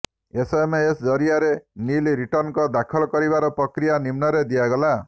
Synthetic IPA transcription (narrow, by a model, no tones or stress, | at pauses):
esemeesd͡ʒɔɾijaɾenilɾiʈɔɾnkɔd̪akʰɔlɔkɔɾibaɾɔpɾɔkɾijanimnɔɾed̪iaɡɔla